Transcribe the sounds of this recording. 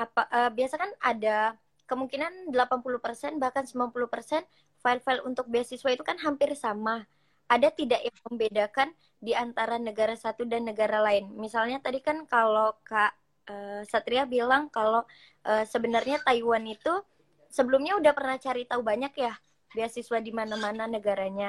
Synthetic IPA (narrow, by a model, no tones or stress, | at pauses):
apaʔəːbiasakanada | kəmuŋkinandəlapanpulupərsɛnbahkansəmblanpulupərsɛn | failfaɪlunt̪ʊk̚beasisuwait̪ukanɦampɪrsama | ʔadat̪idaʔjaŋməmbedakan | diant̪aɾanəɡaɾasat̪udanːəɡaɾalaɪnmisalɲat̪adikankalokaʔ | əsat̪ɾiabilaŋkalo | ʔəːsəbənarɲat̪aiwanit̪u | səbəlumɲaudahpərnaht͡ʃaɾit̪aubaɲakjah | biasiswadimanamananəɡaɾaɲa